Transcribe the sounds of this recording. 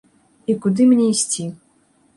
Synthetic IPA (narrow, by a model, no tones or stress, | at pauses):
ikud̪ɨmʲnʲɛisʲt͡sʲi